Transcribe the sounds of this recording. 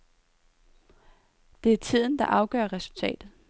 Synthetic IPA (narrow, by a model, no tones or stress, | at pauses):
d̥e̝æɐt͡sʰið̞̰ˠn̩d̥ɑ̈ʔɑ̈ʊɡ̥œ̰ɐʁɛsult͡sʰɛ̰ːd̥ð̩ˠ